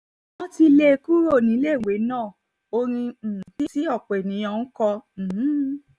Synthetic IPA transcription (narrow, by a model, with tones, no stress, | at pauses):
nɔ̃˦ti˧le˧ku˦ɾo˦˨nĩ˨˦le˦˨we˨˦nãː˦˨ | o˧ɾ̃ĩ˧˨ti˦si˦ɔ˦˨k͡pɛ˨nĩ˨˦ɔ̃˧nũ˦kɔ̃˧˨˦